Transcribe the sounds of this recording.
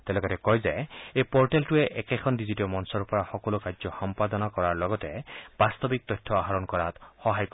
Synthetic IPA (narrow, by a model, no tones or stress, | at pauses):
t̪ɛlɔkɔtɛkɔjzajejpɔɹʈeltueʔɛkekʰɔndizitiɔmɔnsɔɹupɔɹaxɔkɔlukazɔxɔmpad̪ɔnakɔɹaɹlɔɡɔteb̥ast̪ɔbik̚t̪ɔjtʰːɔaɦaɹɔnkɔɹat̪xɔɦajkɔ